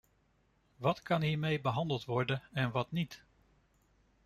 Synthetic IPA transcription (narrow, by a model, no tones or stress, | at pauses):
ʋɑtkɑnɦiːɹmejbəɦɑndəlˠtʋɔɹdənɛnʋɑtnit